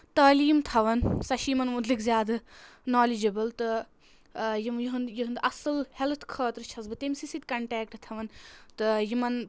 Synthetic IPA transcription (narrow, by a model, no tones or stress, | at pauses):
t̪ɐːliːmt̪ʰɐʋɐnsɐʃiːmɐnmud̪likzʲjaːd̪ɐnaːlid͡ʒɐbɐlt̪ɨ | jijiɦɨnjiɦɨnd̪ʔɐsɨlhelt̪ʰkʰɐːt̪ɾt͡ʃʰɐzbɨt̪emsisid̪̚ʲkɐɳʈɛːkʈt̪ʰɐʋɐnt̪ɨjimɐn